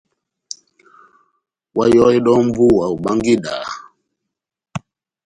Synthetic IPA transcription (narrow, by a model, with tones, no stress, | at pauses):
wa˦jɔ˦i˦ɗɔ˦m˦vu˦˨wa˨u˨ɓa˦ŋɡi˦ɗa̰˨